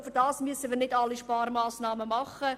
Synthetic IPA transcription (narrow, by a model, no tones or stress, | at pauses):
fɪɾdɑːsmyəsəʋiːɾnɪdɑlːiʃpɑːrmɑːsnɑːməmɑχə